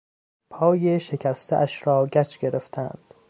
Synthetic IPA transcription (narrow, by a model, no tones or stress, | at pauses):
pʰɒːjeʃe̞kʰæst̪ʰeʔæʃɾɒːɡæt͡ʃʰɡeɾeft̪ʰæ̰nd̪̥